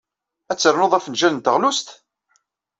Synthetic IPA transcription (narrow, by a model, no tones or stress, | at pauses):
æt͡sːəɾnoðˤæfənʒæənt̪əʁlust̪